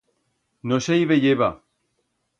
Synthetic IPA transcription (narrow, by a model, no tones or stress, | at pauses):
nosʃejβeʎeβa